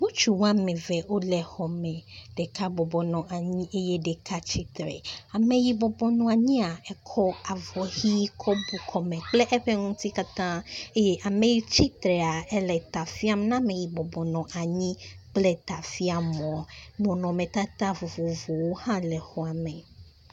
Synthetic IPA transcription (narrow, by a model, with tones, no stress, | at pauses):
ŋũ˦t͡ʃu˨wa˦mɛ̃˨vɛ˨o˦lɛ˨hɔ˨mɛ̃˨ɖ̥ɛ˨ka˦bɔ˨bɔ˨nɔ̃˨ʔa˨ɲĩ˦ʔe˦je˦ɖɛ˨kʰa˦t͡ʃi˦t̪ɾɛ̰˨a˨mẽ˨ji˨bɔ˨bɔ˨nɔ̃˨a˨ɲĩ˦a˨ɛ˨kʰɔ˦a˨vɔ˨hi˦kʰɔ˦bu˨kʰɔ˨mɛ̃˨k͡plɛ˦ʔɛ˦ɸɛ˦ŋũ˦t̪i˦ka˦t̪ã˦e˦je˦ʔa˨mẽ˨ji˦t͡ɕi˦t̪ɾɛ˨a˨ɛ˦lɛ˨t̪a˨fi˦a˨m˦nã˦mẽ˨ji˨bɔ˨bɔ˨nɔ̃˨ʔa˨ɲĩ˦k͡plɛ˦t̪a˨fi˦a˨mɔ̃˨a˨bɔ̃˨nɔ̃˨mẽ˨t̪a˦t̪a˦vɔ˨vo˨vo˨wo˦hã˦lɛ˨xɔ˨a˨mẽ˨